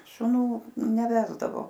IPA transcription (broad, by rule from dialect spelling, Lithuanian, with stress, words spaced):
ʃʊˈnuː nʲɛˈʋʲæːzdɐʋoː